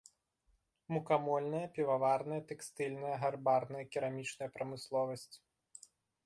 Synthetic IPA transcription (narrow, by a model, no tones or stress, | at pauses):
mukamɔlʲnɐjɐpʲivavarnɐjɐt̪ɛkst̪ɨlʲnɐjɐɦarbarnɐjɐkʲiɾamʲit͡ʂnɐjɐpɾɐmɨslˠɔvɐsʲt͡sʲ